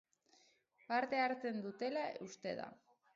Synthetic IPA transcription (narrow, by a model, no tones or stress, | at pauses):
paɾt̪e̞aɾt͡se̞nd̪ut̪e̞laust̪e̞̰ða̰